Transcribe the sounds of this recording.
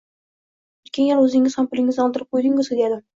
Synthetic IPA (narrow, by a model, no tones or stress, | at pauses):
ɵt̪̚kʲenjelɵzɪŋɪzhampʊlɪŋɪzɒlˠd̪ɪɾɪp̚qʰojd̪ɪŋɪzed̪ad̪ɪ